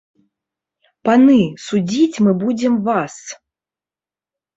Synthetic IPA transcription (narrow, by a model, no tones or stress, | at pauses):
panɨsud͡zʲit͡sʲmɨbud͡zʲɛmvas